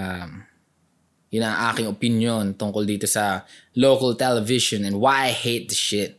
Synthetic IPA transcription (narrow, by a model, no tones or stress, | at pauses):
ʔam | jʊnɐŋʔa̰ːkɪŋopɪnjont̪ʊŋkold̪iːt̪osɐloːkɐlt̪ɛlɛvɪʃonɛ̃nd̪wajajhejt̪̚d̪ɐʃɪt̪̚